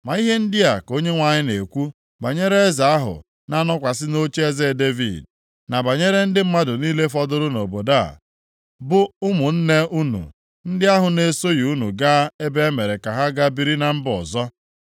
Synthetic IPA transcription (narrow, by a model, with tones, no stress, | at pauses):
ma˨i˦ɦe˦n̩˦dɪ˦a˨ko˦ɲe˦ŋʷa˨ɲɪ˦ne˨kʷu˦ | ba˨ɲe˦ɾe˦e˦za˨a˦ɦʊ̰˨ | na˦nɔ˦kʷa˨s̬ɪ˦no˦t͡ʃe˦ze˦˨de˦vḭ˨d̚ | na˨ba˨ɲe˦ɾe˦n̩˦dɪ˦m̩˦ma˦dʊ˨niː˦le˦fɔ˦dʊ˦ɾʊ˦no˨bo˨da̰˦˨ | bʊ˦ʊ˦mʊ˨n̩˦ne˦ʔu˦nṵ˨ | n̩˦dɪ˦a˦ɦʊ˨ne˨so˦ju˦nṵ˨ɡa˦e˦be˦e˦me˨ɾe˨ka˨ɦa˦ɡa˦bi˨ɾi˦na˨m̩˦bɔ̰˨zɔ˦